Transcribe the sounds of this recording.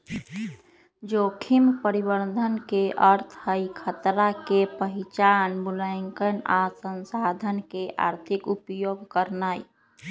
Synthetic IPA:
d͡ʒokʰimpəɾibəɾd̪ʱənkeʔəɾt̪ʰɦəjkʰət̪ɾakepəɦit͡ʃanbulaɪŋkənasənsad̪ʱənkeʔa̰ɾt̪ʰikupjoɡkəɾnaj

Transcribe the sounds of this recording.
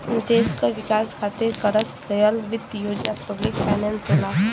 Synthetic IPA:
d̪eːskaʋɪkaːskʰaːt̪ekɐɾəskəjəlʋɪt̪ːjoːd͡ʒnapəblɪkfʰajnɛ̃nsɦona

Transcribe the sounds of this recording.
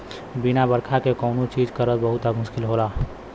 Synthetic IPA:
binabəɾkʰakekɔʊnut͡ʃiːd͡ʒkəɾət̪bəɦʊt̪amʊʃkɪlɦolaː

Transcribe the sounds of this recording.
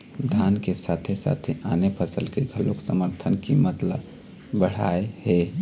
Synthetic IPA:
d̪ʱaːnkesat̪ʰesa̰ːt̪ʰeʔaːnepʰəsəlkeɡʱəloksəməɾt̪ʰənkimət̪lə̰b | bəɽ̤a̰ːehe

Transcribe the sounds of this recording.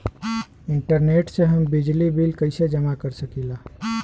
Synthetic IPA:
iɳʈəɾneʈseɦəmbid͡ʒlibilkəɪsed͡ʒəmakəɾsəkila

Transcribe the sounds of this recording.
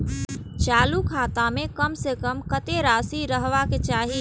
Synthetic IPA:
t͡ʃaːlukʰaːt̪amẽkəmsekəmkət̪eɾaːsiɾəɦʋaket͡ʃaːɦi

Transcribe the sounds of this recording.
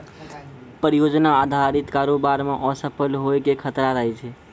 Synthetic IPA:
pəɾijod͡ʒnaːd̪ʱaɾit̪kaɾobaɾmeʔɔ̃səpʰəlɦoekekʰət̪ɾaɾəɦɛt͡ʃʰɛ

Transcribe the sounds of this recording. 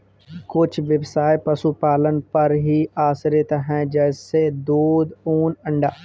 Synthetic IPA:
kʊt͡ʃʰʋɪbsaːjpɐsupaːlənɪ̆pɐɾɦiaːsɾet̪ɦɛ̃ːd͡ʒɛːsed̪oːd̪uːnɐ̃ɳɖaː

